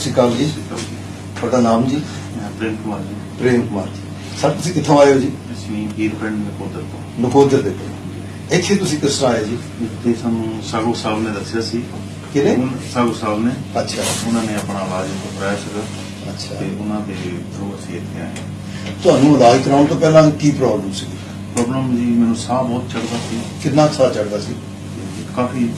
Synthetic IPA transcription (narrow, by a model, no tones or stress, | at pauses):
tsĩːkəld͡ʒiːt̪əi | bəɽaːnaːmd͡ʒĩː | pɾeːmkəmaːɾd͡ʒiːpɾeːmkəmaːɾd͡ʒiː | səbt̪ʊsĩːkɪt̪ʰːõːaːeoːd͡ʒiː | əsĩːiːɾpʰɾɛ̃ɳɖnəkoːd̪əɾt̪õːnəkoːd̪əɾd̪eːt̪õ̰ | d͡ʒi | ɪt̪ʰːeːt̪ʊsĩːkɪsɾaːjeːd͡ʒiː | ɪt̪ʰːeːsaːnũːsaːɡoːsaːbnẽːd̪əsːejaːsiː | kɪnẽːsaːɡoːsaːbneːətːʃʰaːʊnãːneːəpɳãːlaːd͡ʒt̪oːpɾɛːsɡəɾ | ətːʃʰaːeːʊnãːd̪eːb̪ɾuːəsĩːɪt̪ʰːeːa̰ːjãː | t̪ʊɦaːnũːəlaːd͡ʒikəɾãːt̪õːpɛːlãːkiːpɾɔːbləmsiːɡ | pɾɔːbləmd͡ʒiːmɛːnũːsaːbɔːt̪t͡ʃəɽd̪aːsiːkɪnːãːsaːt͡ʃəɽd̪aːsiː | t̪e | kaːfʰiː